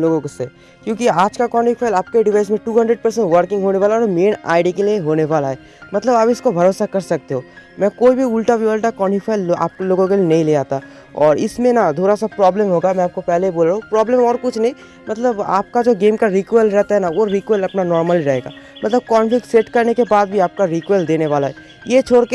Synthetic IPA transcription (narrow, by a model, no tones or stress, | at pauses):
loːɡõkse | kjõːkiaːd͡ʒkakɔːnʈifaːɪlaːp̚keɖɪʋaːɪs̬mẽʈuːɦɐ̃ɳɖɾəeɖ̚pɐɾsɛ̃ɳʈʋəɾkɪ̃ŋɡɦoːneʋaːlaɔːɾmeːna̰ːɪɖikelieɦoːneʋaːlaɦɛː | mɐt̪ləbaːpɪskobʱɐɾoːsakɐɾsɐk̚t̪eɦoːmɛ̃ːkoːibʱiʊlʈɾaʋiʋəlʈakɔːnifʰaːɪla̰ːp̚koloːɡõk̬elijenɐɦĩleaːt̪a | ɔːɾɪ̰smẽnad̪ʱoːɾasapɾɔːbləmɦoːɡamɛ̃aːp̚kopɛɦleiboːlɾaːɦũpɾɔːbləmɔːɾkʊt͡ʃʰnɐɦĩ | mɐt̪ləba̰ːp̚kad͡ʒoːɡeːmkaɾiːkwɛlɾɛɦt̪aɦɛnaʋoɾiːkʋəlɐpnanɔːɾməliɾɐɦeːɡa̰ːmɐt̪ləb̚kɔːnfɪkseʈkɐɾnekebaːd̪bʱiaːp̚kaɾiːkʋeld̪eːneʋaːlaɦɛː | jet͡ʃʰoːɾke